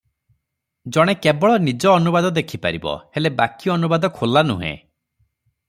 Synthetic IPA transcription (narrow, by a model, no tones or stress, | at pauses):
d͡ʒɔɽ̃ekebɔɭɔnid͡ʒɔːnubad̪ɔd̪ekʰipa̰ɾibɔ̰helebakiɔnubad̪ɔkʰolanṵɦḛ̃